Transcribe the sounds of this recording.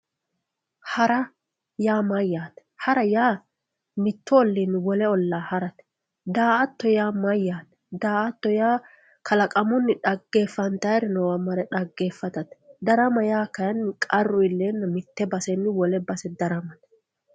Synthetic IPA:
hɐɾɐ | jaːmɐjːaːt̪ɛ̥hɐɾɐjaː | mɪt̪ːɔɔlːinwɔlɛɔlːaːhɐɾɐt̪ɛ̥ | d̪aːʔɐt̪ːɔjaːmɐjːaːt̪ɛ̥d̪aːʔɐt̪ːɔjaː | kʰɐlɐkʼɐmʊnːɪᶑɐɡːe̞ːfːɐnt̪ɐjɾɪnɔwɐmɐɾɛᶑɐɡːeːfːɐt̪ɐt̪ɛ̥d̪ɐɾɐmɐjaːkɐjɐnːɪkʼɐrːʊɪlːeːnːɐmɪt̪ːɛbɐsɛnːɪwɔlɛbɐsɛd̪ɐɾɐmɐt̪ɛ̥

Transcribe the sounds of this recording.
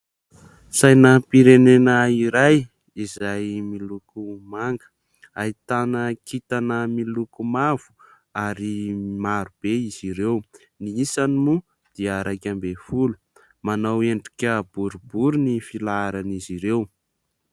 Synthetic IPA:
sajnapiɾenenəiɾaj | izajmilukumaŋɡə̥ | ait̪anəkʰit̪anəmilukumav̥u̥ | aɾimaɾub̥eiz̥iɾew | niisanimu | d̪̥iəɾʔajkʲambefulu̥ | manaweɳɖ͡ʐikʲəb̥uɾubuɾunifilaaɾaniziɾew

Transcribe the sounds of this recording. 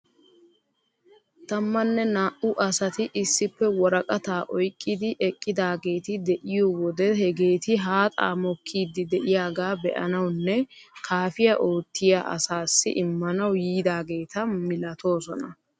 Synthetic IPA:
t̪ɐmːɐnːɛnaːʔʊʔɐsɐt̪ɪʔɪsːɪpːɛwɔɾɐkʼɐt̪aːʔɔjkʼːɪd̪ɪʔɛkʼːɪd̪aːɡe̞ːt̪ɪd̪ɛʔɪjowɔd̪ɛhɛɡe̞ːt̪ɪɦaːt̪ʼa̰ːmɔkʰːiːd̪ːɪd̪ɛʔɪjaːɡaːbɛ̰ʔɐ̰nɐwnːɛ | kʰaːfɪjɐʔo̞ːt̪ːɪja̰ːʔɐ̰saːsːɪ̰ʔɪmːɐnɐwjiːd̪aːɡe̞ːt̪ɐmɪlɐt̪o̞ːsɔnɐ

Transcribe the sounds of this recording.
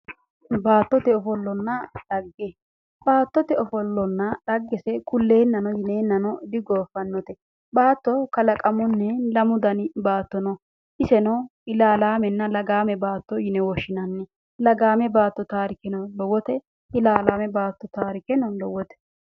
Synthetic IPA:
baːt̪ːɔt̪ɛɔfɔlːɔnːɐᶑɐɡːɛ | b̥aːt̪ːɔt̪ɛɔfɔlːɔnːɐɗɐɡːɛsɛkʊlːe̞ːnːɐnɔjɪneːnːɐnɔd̪ɪɡoːfɐnːɔt̪ɛ | baːt̪ːɔkɐlɐkʼɐmɔnːɛlɐmʊd̪ɐnbaːt̪ːɔnɔ | ʔɪsɛnɐɪlaːlaːmɛnːɐlɐɡaːmɛbaːt̪ːɔjɪnɛwɔʃːɪnɐnːɛ | lɐɡaːmɛbaːt̪ːɔt̪aːɾɪkɛnɔlɔwɔt̪ɛ | ɪlaːlaːmɛbaːt̪ːɔt̪aːɾɪkɛnɔlɔwɔt̪ɛ̥

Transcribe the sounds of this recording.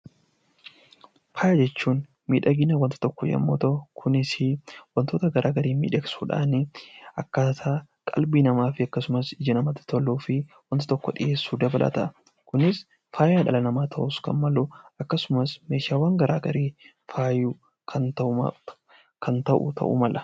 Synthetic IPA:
faːjɐd͡ʒɛt͡ʃːuːn | miːᶑɐɡɪnɐwɐnt̪ɪ̥t̪ɔkːɔjɐ̰mːoːt̪ɐʊkʰʊnɪsɪwɐnt̪oːt̪ɐɡɐɾʔaːɡɐɾiːmḭːᶑɛksuːᶑa̰ːnɪɐkːasaː | kʼɐ̰lbinɐmaːfɪɐkːɐsʊmɐsɪd͡ʒɐnɐmɐt̪ːɪ̥t̪ʰɔlːuːfɪwɐnt̪ɪ̥t̪ɔkːɔᶑɪjeːsːuːd̪ɐbɐlʔɐ̰t̪ɐ | kʊnɪs | faːjaːᶑɐlɐnɐmaːt̪ʰɐʔʊskɐ̰nmɐluɐkːɐsʊmɐsme̞ːʃaːwaːŋɡɐɾa̰ːɡɐɾiː | faːju | kʰɐnt̪ɐ | kʰɐnt̪ɐʔʊ̰t̪ʰɐ̰ʔʊ̰mɐlʔɐ

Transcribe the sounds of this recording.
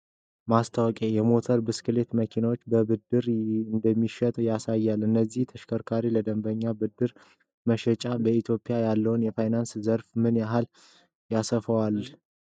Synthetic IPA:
mast̪ʰawɔkʼejɛmo̞t̪ʰəɾbɨskɨle̞t̪məkʰinawot͡ʃːbəbɨd̪ːɨɾɨnd̪əmːiʃɛt̪ʼjasajːalʔɨnːəzːiht̪ʰəʃkʰəɾkʰaɾiləd̪əmbəɲːabɨd̪ːɨɾ | məʃɛt͡ʃʼabəit̪ʰjo̞pʼɪjajalːəwnjɛfajnanszəɾfmɨnjaɦal | jasəfəwal

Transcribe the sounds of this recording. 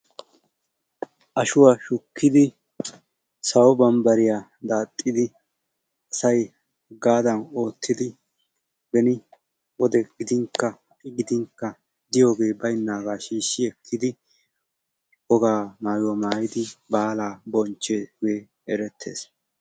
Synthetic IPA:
ʔɐʃʊwaʃʊkːɪd̪ɪ | sɐwɔbɐmbɐɾɪjaː | d̪aːt̪ʼːɪd̪ɪ | ɐsɐj | ɡaːd̪ɐno̞ːt̪ːɪd̪ɪ | bɛnɪ | wɔd̪ɛɡ̥ɪd̪ɪŋkːɐhɐʔʼɪɡɪd̪ɪŋkːɐ | d̪ɪjo̞ːɡe̞ːbɐjnːaːɡaːʃiːʃːɪɛkʰːɪd̪ɪ | ɔɡaːmaːjɔmaːjɪd̪ɪbaːlaːbɔnt͡ʃːeːɡe̞ː | ɛɾɛt̪ʰːe̞̰ːs

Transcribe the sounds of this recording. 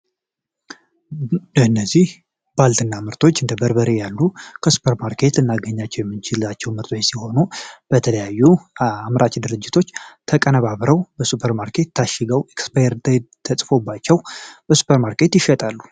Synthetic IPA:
ɨnːəzih | balt̪ʰɨnːamɨɾt̪ʰo̞t͡ʃːɨnd̪əbəɾbəɾejalːukʰəsu̥pʰəɾmaɾkʰe̞t̪ɨnːaɡəɲːat͡ʃːɛwjɛmːɨnt͡ʃʰɪlat͡ʃːɛwmɨɾt̪ʰot͡ʃsiho̞nub̥ət̪ʰələjajːuamɾʔat͡ʃd̪ɨɾɨd͡ʒːɪt̪ʰo̞t͡ʃːt̪ʰəkʼənəβaβɾəwbəsupʰəɾmaɾkʰe̞t̪ːʰaʃɪɡəwekspajɾt̪t̪ʰəsʼfo̞bːat͡ʃːɛwb̥əsu̥pʰəɾmaɾkʰe̞t̪jɪʃɛt̪ʼalːu

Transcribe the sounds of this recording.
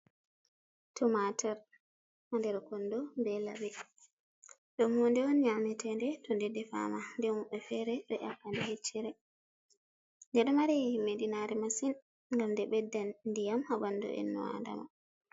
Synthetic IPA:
tʰɔmatʰaɾ | mandɛɾkɔndɔbɛla̰bɛ | ɗɔmhɔndɛwɔnɲamɛtɛndɛtɔndɛdːɛfa̰mandɛmɔɓɛfɛɾɛɓɛ̰ʔafandɛhet͡ʃːɛɾɛ | ndɛɗɔmaɾijiimedinaɾɛmasin | ŋɡamdɛɓɛdːandijamhabandɔ̰ʔɛ̰nːɔ̰a̰nda̰ma̰

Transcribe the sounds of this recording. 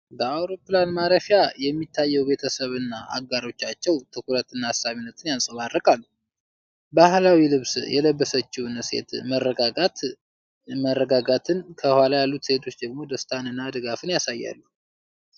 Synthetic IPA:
bəawɾo̞pːlanmaɾəfjajɛmːit̪ʰːajːɛwbe̞t̪ʰəsəβɨnːaʔa̰ɡaɾo̞t͡ʃːat͡ʃːɛwt̪ʰɨkuɾət̪ɨnːahasaβinːət̪ʰɨnjansʼəβarːɨkʼalːu | bahlawilɨβsjɛləbːəsət͡ʃːunse̞̰t̪mərːəɡaɡa | mərːəɡaɡat̪ʰɨnkʰəhwalajalːut̪se̞t̪ʰo̞t͡ʃːd̪əɡmo̞d̪əst̪ʰanɨnːad̪ɨɡafɨnjasajːa̰lːu

